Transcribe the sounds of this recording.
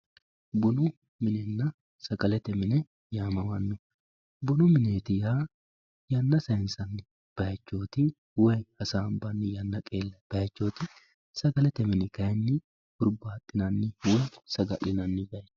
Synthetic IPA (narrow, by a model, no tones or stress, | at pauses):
bʊnʊ | mɪnɛnːɐ | sɐɡɐlɛt̪ɛmɪnɛ | jaːmɐwɐnːʊ | bʊnʊmɪneːt̪ɪjaː | jɐnːɐsɐjɪnsɐnːɪ | b̥ɐjɐt͡ʃːo̞ːt̪ɪ | wɐjhɐsaːmbɐnːɪjɐnːɐkʼe̞ːlːɐb̥ɐjɐt͡ʃːo̞ːt̪ɪ | sɐɡɐlɛt̪ɛmɪnɪɡɐjnːɪ | hʊɾbaːt̪ʼːɪnɐnːɪwɔjsɐɡɐ̰ʔɪnɐnːɪɡɐj